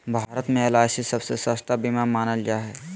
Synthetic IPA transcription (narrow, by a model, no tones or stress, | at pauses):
bʱaːɾət̪mẽelaːsisɐbsesəst̪abimamaːnəld͡ʒaɦɛː